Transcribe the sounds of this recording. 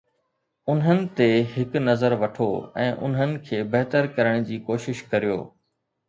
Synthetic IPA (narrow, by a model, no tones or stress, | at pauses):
ʊnɦənɪ̆t̪eɦɪknɐzəɾʋɐʈʰoɛ̃ːʔʊ̰nɦənɪ̆kʰeːbɐɦt̪əɾkɐɾəɽ̃d͡ʑiːkoːʃɪʃkɐɾijo̰ː